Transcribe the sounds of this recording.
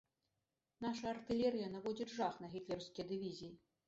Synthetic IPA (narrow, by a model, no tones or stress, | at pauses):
naʂɐːrt̪ɨlʲɛɾɨjɐnavɔd͡zʲid͡zʐaxnɐɣʲit̪lʲɛrwskʲijɐd̪ɨvʲizʲijː